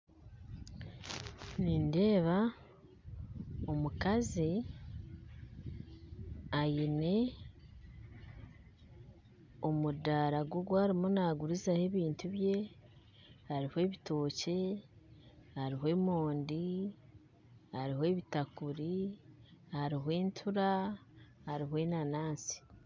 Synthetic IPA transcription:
ninde̞ːβa | omukazi | ajine̞ | omudaːɾaɡwoɡwaːɾimonaːɡuɾizahe̞βiːntuβje̞ | haɾihwe̞ːβito̞ːce̞ | haɾiɦwe̞ːmoːndi | haɾihoe̞ːβitakuɾi | haɾiɦwe̞ːntʰuɾa | haɾiɦwe̞ːnanaːnsi̥

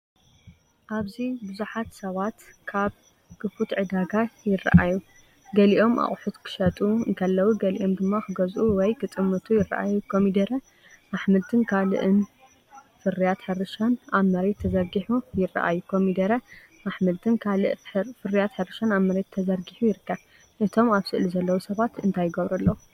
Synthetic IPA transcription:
ʔaβzibɨzuħat̪sɐβat̪kʰaβ | kɨfut̪ʕɨd̪aɡajɪra̰ʔaju | ɡɐliʔo̞mʔa̰χʼħut̪kʰɨ̥ʃɐt̪ʼuɨŋk̪ʰɐlːɐwuɡɐlḭʔo̞md̪ɨmːaxɨɡɐzʔuwɔjkʰɨt̪ʼɨmːɐt̪ʰujɪra̰ʔajukʰomid̪ɐɾɐ | maħmɨlt̪ʰɨnkʰalɨ̰ʔɨn | fɨrijat̪ħɨrɨʃanʔaβmɐɾet̪ʰːɐzɐɾɡiħujɪrːa̰ʔa̰jukʰomid̪ɐɾɐ | maħmɨlt̪ʰɨnkʰalɨʔfɨrːijat̪ħɨrɨʃanaβmɐɾe̞t̪ʰːɐzɐɾɡiħujɪɾɨkːɐβ | ʔɨt̪ʰo̞maβsɨʔlizɐlːɐwusɐβat̪ɨnt̪ʰajːɪɡɐβɾɐlːɐwu

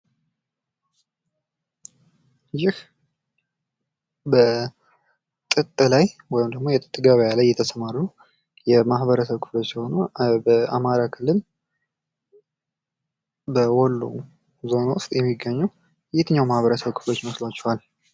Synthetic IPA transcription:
jɪh | bə | t̪ʼɨt̪ʼːɨlajwɔjɪmd̪əɡmo̞jɛt̪ʼɨt̪ʼːɨɡaβjalajːɛt̪ʰəsəmaɾnu | jɛmahβəɾəsəβkʰɨ̥flo̞t͡ʃːsiho̞nubəa̰maɾakʰɨlːɨl | bəwɔlːṵ | zo̞nawʊst̪ʼjɛmːiɡːəɲːu | jjt̪ʰɨɲːawmahβəɾəsəβkʰɨ̥flo̞t͡ʃːməslat͡ʃːɛwal

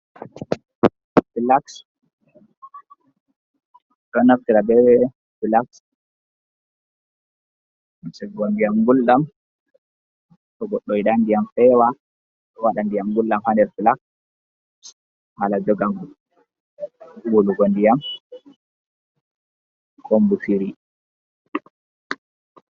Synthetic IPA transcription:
filaks | ɗɔnaftiɾabɛwɛ | filaks | sɛɡondijamɡulːam | tɔɡɔɗːɔjɗandijamfɛwa | ɗɔwaɗandijamɡulːamhandɛɾfilaks | halad͡ʒɔɡamu | ɡuluɡondijam | kʰombufiɾi

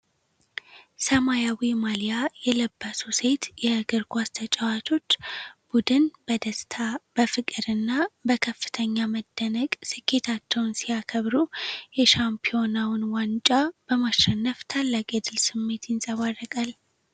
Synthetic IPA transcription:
səmajawimalijajɛləbːəsuse̞t̪jɛɡɨɾɡʷast̪ʰət͡ʃʼawat̪ʰo̞t͡ʃːb̥ud̪ɨnbəd̪əst̪ʰab̥əfɨkʼɨɾɨnːabəkʰəfːɨ̥t̪ʰəɲːaməd̪ːənəkʼsɨkʰːe̞t̪ʰat͡ʃːɛwnsijakʰəβɾujɛʃampʰio̞nawɨnwant͡ʃʼab̥əmaʃɛnːəft̪ʰalːakʼjɛd̪ɨlsɨmːe̞t̪jɪnsʼəβarːəkʼal

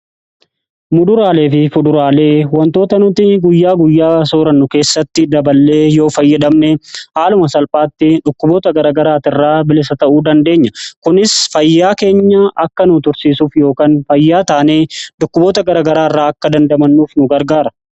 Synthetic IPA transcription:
mʊd̪ʊɾaːle̞ːfɪfʊd̪ʊɾaːle̞ːwɐnt̪o̞ːt̪ɐnʊt̪ɪɡʊjːaːɡʊjːaːsoːɾɐnːʊke̞ːsːɐt̪ːɪd̪ɐbɐlːe̞ːjo̞ːfɐjːɐd̪ɐmnɛhaːlʊmɐsɐlpʼaːt̪ːɪᶑʊkːʊbo̞ːt̪ɐɡɐɾaːɡɐɾaːt̪ɪrːaːbɪlɪsɐt̪ɐʔuːd̪ɐnd̪e̞ːɲːɐkʊnɪsfɐjːaːke̞ːɲːɐʔɐkːɐnʊt̪ʊɾsiːsuːfjo̞ːkaːnfɐjːaːt̪aːneːᶑʊkːʊbo̞ːt̪ɐɡɐɾaːɡɐɾaːɪrːaːɐkːɐd̪ɐnd̪ɐmɐnːuːfnʊɡɐɾɡaːɾɐ̥

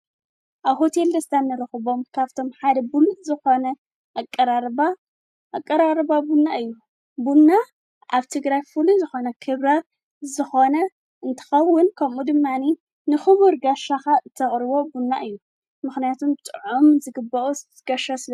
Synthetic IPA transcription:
ʔaβɦo̞t̪ʰe̞ld̪ɐst̪ʰanːɐɾɐxɨβo̞mkʰaβt̪ʰo̞mħad̪ɐbulzɨxo̞nɐ | ʔakʼːɐɾaɾba | ʔːkʼːɐɾaɾbabunːaʔɨjːu | bunːa | ʔaβt̪ʰɨɡɾajfuluzɨxo̞nɐkʰɨβɾa | zɨxo̞nɐ | ʔɨnt̪ʰɐ̥xɐwːʊnkʰɐmud̪ɨmːani | nɨxɨβuɾɡaʃaxaɨt̪ʰːɐχʼɾɨβo̞bunːa̰ʔɨjːu | mɨxnijat̪ʰumt̪ʼɨʕumzɨɡɨbːɐʔus | ɡ̥ɐʃɐsɨl

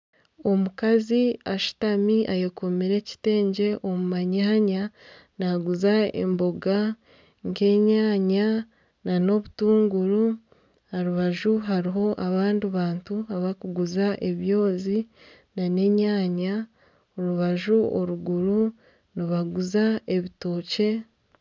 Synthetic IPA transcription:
o̞mukaziaʃu̥tamiʔajeko̞miɾe̞ci̥te̞ːɲɟe̞ʔomumaɲaːɲa | naɡuzaḛmbo̞ɡa | ŋɡe̞ɲaːɲa | nano̞βutuːŋɡuɾu | aɾuβaʒuɦaɾiɦo̞ʔaβaːndiβaːntuaβakuɡuzaʔe̞βjo̞ːzi | nane̞ɲaːɲa | oɾuβaʒuoɾuɡuɾu | niβaɡuzae̞βito̞ːce̞

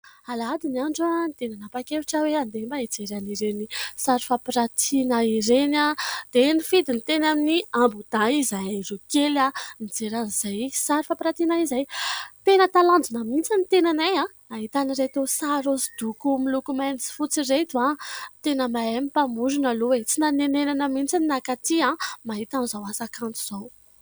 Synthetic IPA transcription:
alad̪iniaɳɖ͡ʐanit̪enanapakeviʈ͡ʂəweand̪embaed͡zeɾaniɾenisaɾifapiɾat̪ʰinaiɾenad̪̥enifid̪init̪enaminiambud̪aizajarukelanid͡zeɾanz̥ajsaɾifapiɾat̪inaizajt̪enət̪aland͡zunəmint͡sanit̪enanajãnaɦit̪aniɾet̪esaɾosi̥d̪̥ukumilukumanit͡si̥fut͡siret̪uat̪enəmaemipamuɾunalowet͡sinanenenanəmint͡sininakat̪iãmaɦit̪anizawasakant͡suz̥ow

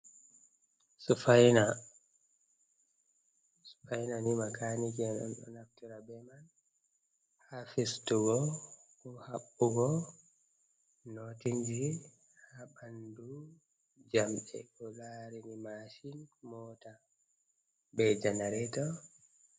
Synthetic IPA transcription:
sufajna | su̥fajnanimakanikiɗɔ̰nɗɔ̰naftuɾabɛman | hafistuɡɔkuhaɓːuɡɔ | notind͡ʒi | habandu | d͡ʒamɗɛ̰ɗɔlaɾinimaʃinmɔta | bɛd͡ʒanaɾɛtɔ

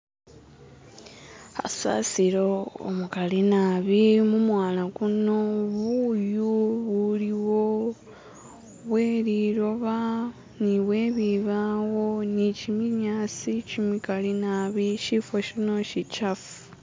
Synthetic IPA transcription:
a̰sa̰siɾo̞o̰mukalinaβimumwaːlakuno̞βujuβuliwo̞ | βwe̞liɾo̞βa | niβwe̞ːβiβawo̞nicimiɲaːt͡sicimikalinaβiʃifoʃino̞ʃit͡ʃafu̥

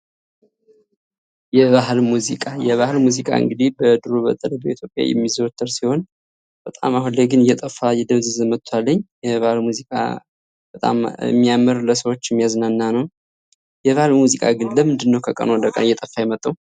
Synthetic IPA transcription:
jɛβaɦlmuzikʼajɛβahlmuzikʼa̰ɨ̰ŋɡɨd̪ibəd̪ɨɾubə̰t̪ʼələbeit̪ʰjo̞pʼja̰jɛ̰mːizot̪ʰʼːəɾsiho̞n | b̥ət̪ʼa̰mahunlːeɡɨnɨjɛt̪ʼəfːajɛd̪əβzɨzɨmət̪ʼʰːwalːəɲːjɛβahlmuzikʼa̰ | b̥ət̪ʼa̰m̰mːijamːəɾləsəwo̞t͡ʃːɛmːijaznanːanəw | jɛβahɨlmuzikʼa̰ɡɨnləmɨnd̪ɨnːəwkʰəkʼə̰nod̪əkʼə̰nɨjɛt̪ʼəfːajɛmət̪ʼːəw

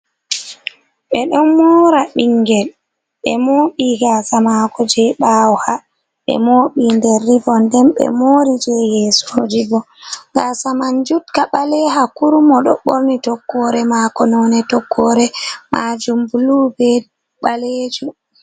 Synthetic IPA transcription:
ɓɛɗɔnmɔɾaɓiŋɡɛl | ɓɛ̰moːɓiɡasamakɔd͡ʒɛɓaːwɔha | ɓɛ̰moːɓindɛɾːibɔndɛmɓɛ̰moːɾid͡ʒɛjɛsuhod͡ʒibɔ | ŋɡasamand͡ʒutkaɓalɛɦakuɾumɔɗɔɓoɾnitɔkːɔɾɛmakɔnɔnɛtɔkʰːɔɾɛmʔad͡ʒumbulubɛ | ɓaled͡ʒu

